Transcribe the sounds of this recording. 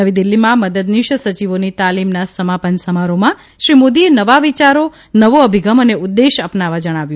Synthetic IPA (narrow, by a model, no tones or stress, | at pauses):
əʋid̪ilːimãməd̪əd̪niʃsət͡ʃiʋonit̪alimnasəmapənsəmaɾomã | ʃɾimod̪ienəʋaʋit͡ʃaɾo | nəʋoəbʱiɡəməneʊd̪ːeʃapnaʋad͡ʒəɽ̃aʋjũ